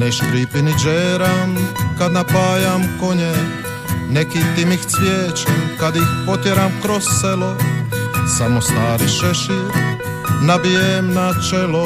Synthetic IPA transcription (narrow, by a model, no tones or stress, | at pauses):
neʃkɾipinid͡ʒeːɾamkad̪napaːjamko̞ɲe | nekit̪imixt̪sʋjeːt͡ʃikad̪ixpot̪jeɾamkɾosselo̞ | samost̪aːɾiʃeʃiɾ | nabijemnat͡ʃelo